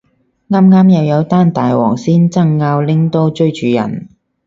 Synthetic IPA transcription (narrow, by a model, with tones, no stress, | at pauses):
ŋaː˥mŋaː˥mjɐ˨˧wjɐ˨˧wt̪aː˥nt̪aː˨jwɔ̰ː˨˩ŋsiː˥nt͡sɐ˥ŋːaː˧wlɪ˥ŋt̪o˥wt͡ʃɵ˥ɥt͡ʃyː˨˧jɐ̰˨˩n